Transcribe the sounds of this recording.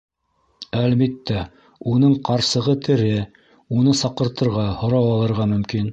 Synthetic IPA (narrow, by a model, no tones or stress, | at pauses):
ælβit̪ːæ | unɤɴqɑɾsɤ̆ʁɤt̪ʰɘ̆ɾɘ | unɤsɑqɤ̆ɾt̪ɤ̆ɾʁɑhŏɾɑwɑlˠɤ̆ɾʁɑmɵ̆mkin